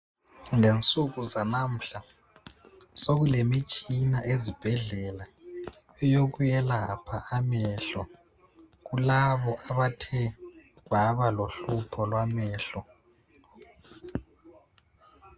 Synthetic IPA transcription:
ŋent͡sʼuk̬uzanam̩ɬa | sok̬ulemit͡ʃʼinaʔezib̥ʱɛɮɛla | ɛjok̬ujɛlapʰaamɛɬɔ | k̬ulaβɔʔaβatʰɛ | βaβaloɬupʰɔlwamɛːɬɔ

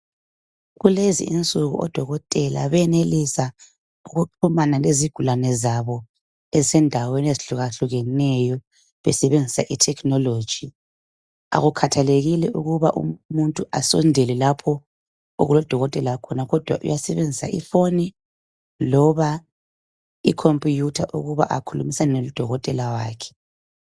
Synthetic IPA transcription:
ɣulezḭint͡sʼuɣṵʔɔ̰d̥ʱɔɣɔtʼɛla̰βɛnelisa | uɣuǃʰumanaleziɡ̥ʱulanɛzaβɔ | ɛzsɛndʱaweneziɬuɣaɬuɣɛnɛjɔ | βɛ̰sɛβend͡zʱisaʔitʰɛkʰnɔloːd̥ʒ̥ʱi | a̰ɣukʰatʰaleɣilɛʔuɣuβaʔṵmuntʼuʔasɔ̰ndʱɛlɛlapʰɔ | o̰ɣulɔd̥ʱɔɣɔtʼɛlakʰɔnaɣɔd̥ʱwaʔṵjasɛβend͡zʱisa̰ʔḭfoni | lɔβa | ikʰompʼijutʰaʔṵɣuβa̰ʔa̰kʰulumisannɛlud̥ʱɔɣɔtʼɛlawaːkʰɛ̥

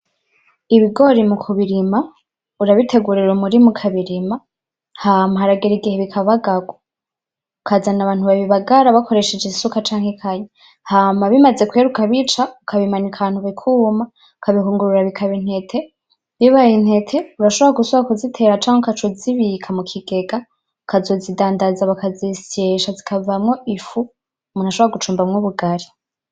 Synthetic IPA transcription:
iβiɡo̞ɾimukʰuβiɾima | uɾaβitʰe̞ɡuɾiɾomuɾimukʰaβiɾima | haːmaɦaɾaɡeɾiɡiheβikʰaβaɡaɡwa | ukazanaβaːnhuβaβiβaɡaɾaβakʰo̞ɾe̞ʃed͡ʒesukat͡ʃaːŋhekʰaje | haːmaβimaze̞kweɾukaβit͡ʃaukʰaβimaɲikʰaaːn̥uβikʰuːma | kaβihuːŋɡuɾuɾaβikʰaβin̥he̞tʰe̞ | βiβajin̥he̞tʰe̞uɾaʃoβoɾaɡusoβakuzitʰe̞ɾat͡ʃaːŋokat͡ʃoziβikʰamukʰiɡe̞ɡa | kʰazo̞zidaːndazaβakaziseʃazikʰavamŋo̞ʔifu | munaʃoβoɾaɡut͡ʃuːmbamŋoβuɡaɾi

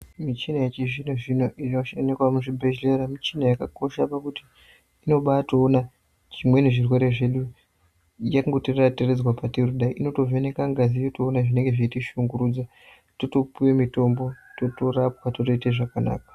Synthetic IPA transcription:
mit͡ʃinajet͡ʃiʐinoʐinoʔiroʃanekwamuʐibʱed͡ʒileɾamit͡ʃinajakako̞ʃapakuti̥ː | no̞ɓatoːna | ʐ̥imwe̞neʐirwe̞ɾe̞ʐe̞ɗu | jaŋɡotirratired͡zwapateruɗaiʔino̞to̞venekaŋɡazijo̞toːnaʐine̞ŋɡe̞ʐeitiʃuŋɡuɾuːd͡za | toto̞puwemito̞mbo̞toto̞rapwatoto̞iteʐakana̰ːkḁ

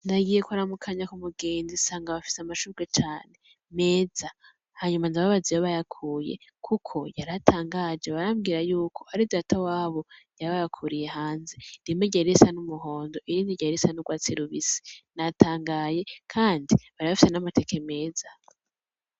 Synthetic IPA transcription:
naɡije̞kwuɾamukʰaɲakumuɡeːnzisaːŋɡaβafi̥seamaʃuɾɡet͡ʃaːne̞ | me̞ːz̥a | haɲumanzaβaβazijaβajakʰuːje̞̰kʰukʰo̞jaɾatʰaːŋɡad͡ʒeβaɾamɡiɾajuːkʰo̞haɾidatʰawaːβo̞jaβajakʰuɾije̞ɦaːnzeɾimeɟaɾesanumuɦo̞ːndo̞ʔiɾiːndiɟaɾesanuɡwaːt͡siɾuβisi̥natʰaːŋɡaje̞kʰaːndiβaɾiβafise̞namate̞kʰe̞me̞ːza

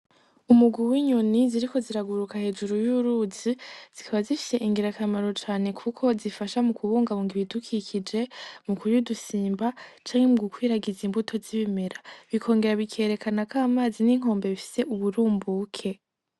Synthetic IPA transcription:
umuɡwuwiːɲo̞niziɾiko̞ziɾaɡuɾukahe̞ːd͡ʒuɾujuːɾuːziz̥ikʰaβazifi̥se̞ʔiŋɡiɾakamaɾo̞t͡ʃaːne̞kʰukʰo̞zifaʃamukʰuβuːŋɡaβuŋɡiβidukʰikʰid͡ʒe̞mukuɾudusiːmbat͡ʃaːŋhemuɡukwiːɾaɡizimbutʰo̞ziβime̞ɾaβikʰo̞ːŋɡe̞ɾaβikʰe̞ɾe̞kʰanakaːmaːziniːŋ̥o̞ːmbe̞βifi̥se̞ʔuβuɾuːmbuːkʰe̞

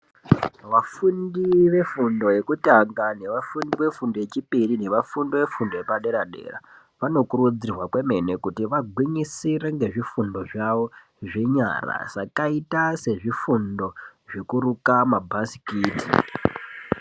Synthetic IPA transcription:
ʋafundiʋe̞fundo̞je̞kutaŋɡane̞ʋafundiʋe̞fundo̞je̞t͡ʃipirine̞ʋafundoʋe̞fundoje̞paɗe̞ɾaɗe̞̰ra̰ | ʋano̞kurud͡zirwakwe̞me̞ne̞kutiʋaɡʱwiɲisiɾeŋɡe̞ʐifundo̞ʐaʋo̞ | ʐe̞ɲa̰ra̰ʐ̥akaitase̞ʐifundo̞ʐekurukamabʱasi̥kiːti̥

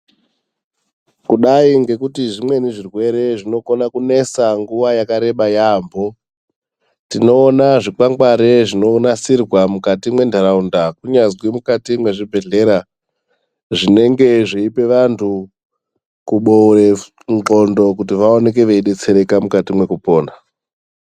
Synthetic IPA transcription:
kuɗaiŋɡe̞kutiʐimwe̞niʐirwe̞ɾe̞ʐino̞konakune̞saŋɡuʋajakaɾe̞ɓajaːmbo̞ | tino̞ːnaʐik͡paŋɡwaɾe̞ʐino̞nasirwamukatimwe̞ndʱaɾaundakuɲazwimukatimwe̞ʐibʱe̞ɮe̞ɾa | ʐine̞ŋɡe̞ʐiipe̞ʋantʰu | kuɓore̞ | nǁo̞ndo̞kutiʋaone̞ke̞ʋeiɗe̞t͡se̞ɾe̞kamukatimwe̞kupo̞ːna

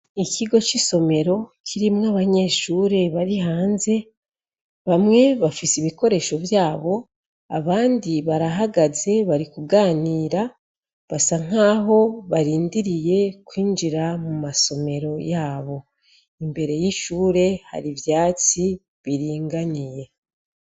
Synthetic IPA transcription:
iciɡo̞t͡ʃiso̞me̞ɾo̞cʰiɾimŋaβaɲe̞ʃuːɾe̞βaɾiɦaːnze̞ | βamŋe̞βafisiβiko̞ɾe̞ːʃo̞vjaːβo̞ | a̰βaːndiβaɾaɦaɡaze̞βaɾikuɡaːniːɾa | βasaŋ̥aːɦo̞βaɾiːndiɾije̞kwiːnd͡ʒiɾamumaso̞me̞ɾo̞jaːβo̞ | imbe̞ɾe̞jiʃuːɾe̞ha̰ɾivjaːt͡si | βiɾiːŋɡaɲije̞

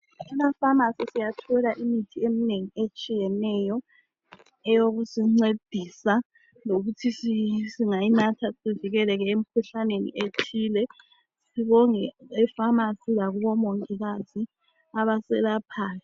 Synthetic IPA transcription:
unafamasisijatʰɛlaʔimitʰiemineŋiet͡ʃʼijɛnɛːjɔ | ɛjoɣusiŋ͡ǀed̥ʱisa | loɣutʰisisiŋainatʰasiviɣɛlɛɣɛem̩kʰuɬanenḭʔetʰiːlɛ | siβɔŋɛɛfamasilaɣuβɔmoŋkʼiɣazi | aβasɛlapʰaːlɛ

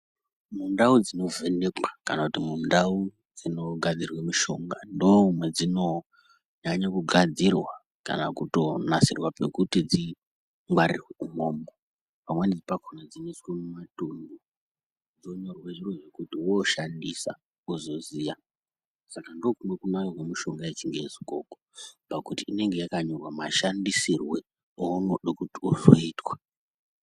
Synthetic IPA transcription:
mundaud͡zino̞ve̞nekwakanakutimundau | d͡zino̞ɡʱad͡zirwemiʃo̞ŋɡandoumwe̞d͡zino̞ | ɲaɲakuɡʱad͡zirwa | ka̰nakuto̞nasirwape̞̰kutid͡zi | ŋɡwaɾirweumo̞ːmbo | pamwenid͡zipakʰonad͡zineskemumatumdo | d͡zo̞ɲo̞rweʐiroʐe̞kutiwoʃandisa̰ | uzo̞ziːja | sakando̞kumwe̞kunaowemuʃo̞ŋɡaet͡ʃiŋɡezikokopakutiine̞ŋɡe̞jakaɲorwamaʃandisirwe̞ | ounoɗokutiuzoiːtwḁ

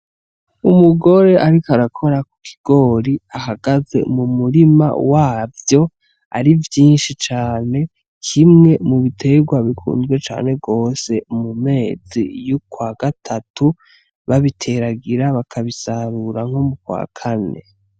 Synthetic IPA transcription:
umuɡo̞ɾe̞ʔaɾikaɾakʰo̞ɾaku̥kʰi̥ɡ̥o̞ːɾiahaɡaze̞̰mumuɾima̰waːvjo̞ | a̰ɾivjiːnʃit͡ʃaːne̞ | kʰimŋe̞muβitʰe̞ɡwaβikʰṵːnzɡwe̞t͡ʃa̰ːne̞ɡo̞ːse̞mume̞ːzḭjukwaɡatʰatʰu | βaβitʰe̞ɾaɡiɾaβakʰaβisaɾuɾaŋ̥homukwa̰ːkʰane̞̰

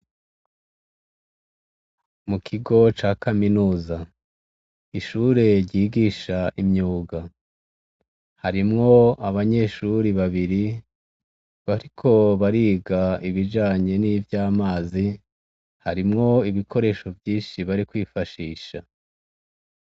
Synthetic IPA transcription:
mukʰiɡo̞t͡ʃaːkaminuːza | iʃuːɾe̞ɾjɟiːɡiːʃaʔimɲuːɡa | haɾimŋo̞aβaɲe̞ʃuɾiβaβiɾi | βaɾikʰo̞βaɾiːɡaiβiʒaːɲe̞niːvjaːmaːzi | haɾimŋo̞iβikʰo̞ɾe̞ʃo̞vjiːnʃiβaɾikwiːfaʃiːʃa

